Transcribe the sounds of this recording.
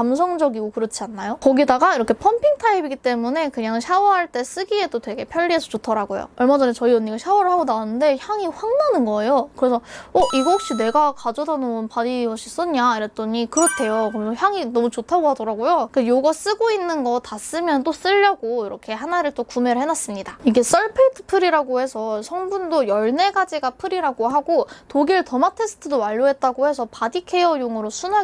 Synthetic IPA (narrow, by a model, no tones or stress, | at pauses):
kams̬ʰʌŋd͡ʑʌɡiɡokɯɾʌt͡ɕʰianːajokʌɡidaɡaiɾʌkʰe̞pʰʌmpʰiŋtʰaibiɡit͈e̞mune̞kɯɲaŋɕʰawʌɦaɭt͈e̞s͈ɯɡie̞d͈otwe̞ɡe̞pʰjʌʎːiɦe̞sʰʌt͡ɕotʰʌɾaɡojo̰ʌɭmad͡ʑʌnet͡ɕʌiʌɲːiɡaɕʰawʌɾɯɭɦaɡonaonɯnde̞çjaŋiɸwaŋnanɯnɡʌe̞jokɯɾe̞sʰʌʌʔiɡʌok̚ɕ͈ine̞ɡakad͡ʑʌdanomnpaɾiʌɕ͈is͈ɯnɲaiɾet͈ʌɲikɯɾʌtʰe̞jokɯɾʌmensʰʌçjaŋinʌmut͡ɕotʰaɡoɦadʌɾaɡojokejoɡʌs͈ɯɡoinːɯnɡʌtas͈ɯmjʌnt͈os͈ɯʎːʌɡoiɾʌkʰe̞hanaɾɯɭt͈okume̞ɾɯɭɦenwas͈ɯmɲidaiɡe̞s͈ʌɭpʰɯɭtʰɯ̥pʰɯɾiɾaɡohe̞sʰʌɕʰʌŋbundojʌɭne̞ɡad͡ʑiɡapʰɯɾiɾaɡoɦaɡotoɡiɾɯɭtʌmatʰe̞sʰɯ̥tʰɯdoaʎːoɦe̞t̚t͈aɡohe̞sʰʌpadikʰe̞jʌjoŋɯɾosʰuna